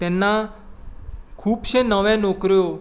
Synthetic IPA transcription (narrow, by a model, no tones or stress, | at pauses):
t̪ɛnːa | kʰuːbʃẽnəʋɛ̃nokɾjo